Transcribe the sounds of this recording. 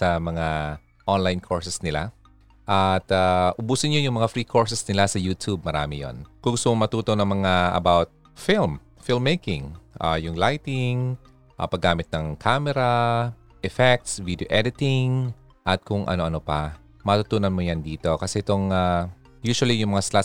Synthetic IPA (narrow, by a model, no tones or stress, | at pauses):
sɐmɐŋa | ʔonlajnkʰoɹsɛsnɪla̰ | ʔɐt̪aʔʊbuːsɪnɲojʊŋmɐŋafɾiːkʰo̞ɹsɛsnɪlasɐjuːt̪ʰub̚mɐɾa̰ːmɪjo̰nkʊŋɡʊst̪ʊmomɐt̪uːt̪onɐŋmɐŋaɐ̰bawt̪̚ | fɪlm | fɪlmːejkɪŋʔa̰jʊŋlajt̪ɪŋ | ʔa̰pɐɡːaːmɪt̪̚nɐŋkʰaːmɛɾa | ʔɛfɛk̚t̪svid̪eoʔɛd̪ɪt̪ɪŋ | ʔɐt̪̚kʊŋʔɐ̰no̞ʔɐnopɐ | mɐt̪ʊt̪uːnɐnmojand̪iːt̪o̞kɐsɛʔɪt̪o̞ŋa | juːʃʊɐlijʊŋmɐŋasla